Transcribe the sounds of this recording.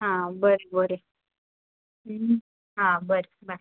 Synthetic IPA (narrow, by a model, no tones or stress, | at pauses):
ɦãbəɾebəɾe | ɦãbəɾeba